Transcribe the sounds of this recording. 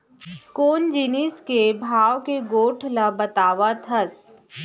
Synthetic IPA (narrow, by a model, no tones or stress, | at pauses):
koːnd͡ʒiniskebʱaːʋkeɡoːʈʰlabɐt̪aːʋat̪ʰɐs